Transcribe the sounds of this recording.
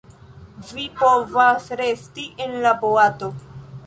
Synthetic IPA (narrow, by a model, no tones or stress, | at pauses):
vipo̞vasɾe̞stiʔenlaboato̞